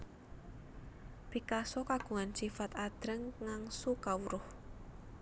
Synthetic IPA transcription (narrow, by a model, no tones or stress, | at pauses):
b̥ikasɔkaɡ̥ṳŋansifat̪ad̪̥ɾəŋŋaŋsukawuɾʊh